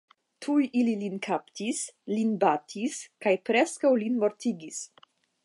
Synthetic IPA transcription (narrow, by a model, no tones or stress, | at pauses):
tʰujʔililinkʰaptislinbatʰiskajpɾeskawlinmo̞ɾt̪iɡis